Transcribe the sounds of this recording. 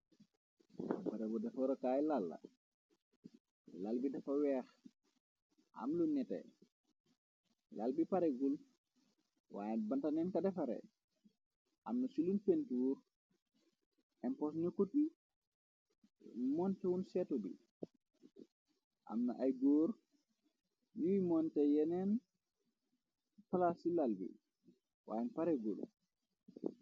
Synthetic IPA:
bɐɾɛbɔdɐfɔɾɐkaːjlalːɐ̰ | lalbidɐfɐwɛːx | ʔa̰mlunːɛtɛ̰ | lalbipaɾɛɡul | wa̰ːjɛbɐntɐnɛnkɐdɛfɐɾɛ̰ | ʔɐmnɐsilunfentuːɾ | ʔɛmpɔsnukːuɗi | mɔntɛwunsɛtɔbḭ | ʔa̰mnaʔajɡoɾ | juwimɔntɛjɛnɛn | palasilalbḭ | wa̰jɛnpaɾɛɡul

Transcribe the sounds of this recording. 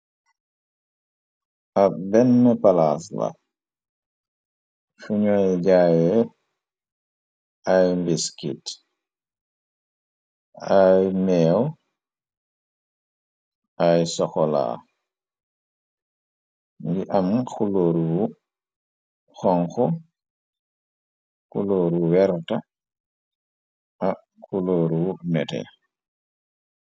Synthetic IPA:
abɛnːəpalaːsla̰ | fuɲojɟajɛ | ajmbiskḭt | ajmɛw | ʔajsɔxɔla̰ | ŋɡiʔamkuloːɾuwu | xɔŋxɔ | kuloːɾuwɛɾta | a | kuloːɾuwunɛtɛ̰

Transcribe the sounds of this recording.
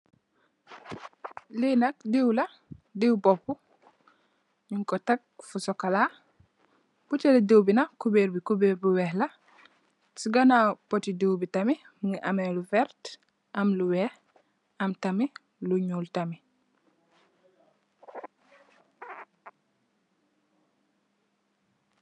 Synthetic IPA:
linɐk̚diwlɐ | diwbopːu | ɲuŋkotak̚fusɔkala | b̥uteleduwbinakubeɾbikubeɾbuwehla | siɡanapotiduwbitami | ŋiʔameluvɛɾt | ʔɐmluwɛh | ɐmtami | luɲuːltami

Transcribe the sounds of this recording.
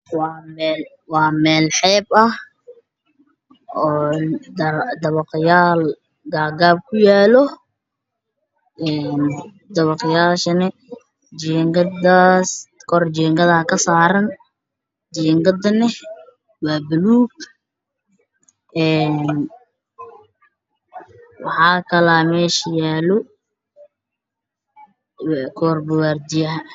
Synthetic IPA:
wɑːmɛl | wɑːmɛːlħɛːbɐh | ɔːd̪d̪ɐβɑqɪjaːl | ɡaːɡaːb̚kʰʊjaːlɔ | ɛːn | d̪ɐβɑqɪjaːʃɐnɛ | d͡ʒɛŋɡɐd̪aːskʰɔrd͡ʒɛːŋɡɐðɐɐkʰɐsaːɾɐn | d͡ʒɛːŋɡɐd̪ɐnɛ | waːbɐluːɡ̚ | ɛːn | wɑ̰ħɑːkʰɐlaːmɛːʃɐjaːlɔ | kʰɔːrbʊwaːrd̪ɪjɐɦɐ

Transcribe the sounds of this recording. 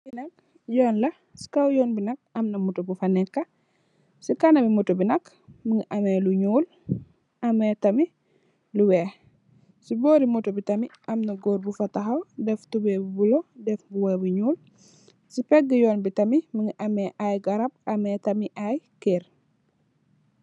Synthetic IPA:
binɐk̚ | jɔːnlɐ | si̥kɐwjɔːnbinɐk̚ɐmnɐmutobufɐnɛkːɐ | sikɐnɐbimutobinɐk | məŋiʔɐmɛluɲuːl | ʔɐmɛtɐmi | luwɛ | siboːɾimutobitɐmiʔɐmnɐɡoːɾbufɐtɐxɐwdɛftubɛbubulodɛfbuwɛbuɲuːl | sipɛɡəjɔːnbitɐmiməŋɡiʔɐmɛʔajɡɐɾɐb̚ɐmɛtɐmiʔajkeːɾ

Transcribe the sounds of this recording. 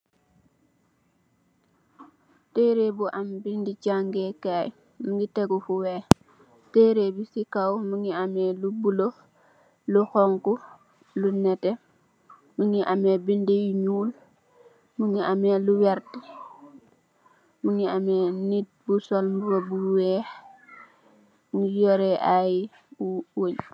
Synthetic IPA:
teɾebuʔambindit͡ʃaŋɡekaj | muŋɡiteɡufuweː | teɾebisikawmuŋiamelubulo | luxɔŋku | lunɛte | muŋiʔamebindejiɲuːl | muŋiʔameluwaɾti | muŋiamenit̚busolmbubobuwɛːx | muŋijɔɾeʔaji | uwoɲ

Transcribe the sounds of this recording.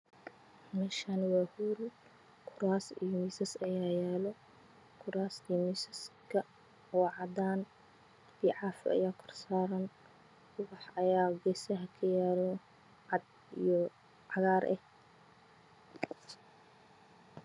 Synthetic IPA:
mɛːʃaːnwɑːhuɾʊ | kʰʊɾaːsḭjɔmiːsɐsɐjaːjɛːlɔ | kʰʊɾaːsijmiːsɐskʰɐ | wɑːʕɑd̪aːn | biʕɑːfɪ̰ʔɐ̰jaːkʰɔrsaːɾɐn | kʰʊwɑħɐjaːɡɛːsɐɦɐkʰɐjaːlɔ | ʕɑd̪ | ḭjɔ | ʕɑɣaːɾʔɛ̰h

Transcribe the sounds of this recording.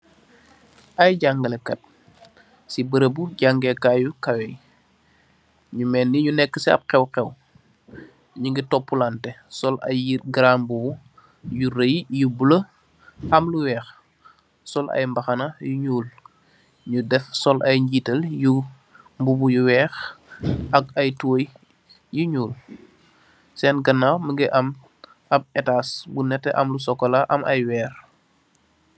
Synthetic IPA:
ʔɐjɟaŋɡəlɛkɐt̚ | sibəɾəbuɟaŋɡɛkaːjukɐwɛj | ɲumɛːnːiɲunɛkːəsiɐ̰p̚xɛwxɛw | ɲuŋɡitɔpːulantɛsɔlɐ̰jːit̚ɡɾaːmbubu | juɾejjubulə | hɐmluwɛːx | sɔlʔɐ̰jmbɐxɐnɐjuɲuːl | ɲudɛfsɔlʔɐjɲɟitəlju | mbubujuwɛːx | ɐk̚ɐjtuwj | juɲuːl | sɛnɡɐnːawməŋɡɛʔɐm | ʔɐb̚ɛtaːsbunɛtːɛʔɐmlusɔkːɔlaʔɐmʔɐjwɛːɾ

